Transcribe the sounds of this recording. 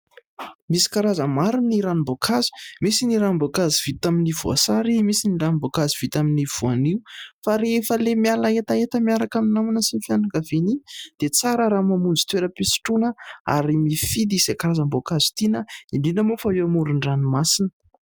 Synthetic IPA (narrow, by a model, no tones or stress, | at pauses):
misi̥kaɾazəmaɾiniɾanimbokʰazu̥misiniɾabokaziv̥it̪aminivua̰saɾimisiniɾanmbokaziv̥it̪aminiv̥uaniufaɾefəlemialaet̪aet̪əmiaɾakaminamunəsinfjanakavenid̪̥et͡saɾəɾamamund͡zi̥t̪weɾəpisi̥ʈ͡ʂunəa̰ɾimifid̪iz̥ekaɾazəmbokazu̥t̪inəinɖ͡ʐinəmufawewmuɾuɳɖ͡ʐanimasinə